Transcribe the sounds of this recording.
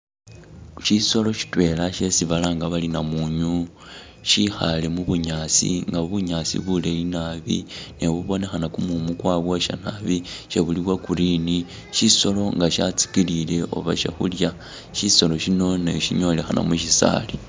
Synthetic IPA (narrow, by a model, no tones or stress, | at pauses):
ʃiso̞lo̞ʃi̥twe̞laʃe̞siβalaːŋɡaβalinamuɲu | ʃixa̰lemuβuɲaːt͡sḭŋɡaβuɲaːt͡sḭβulelinaβḭne̞βuβo̞ne̞xanakumumukwaːβwoʃa̰naβiʃe̞βuliβwakuɾini | ʃiso̞lo̞ŋɡaʃat͡si̥kilile̞ʔo̞̰βa̰ʃḛxṵlja | ʃiso̞lo̞ʃino̞neʃiɲo̞le̞xana̰muʃisa̰li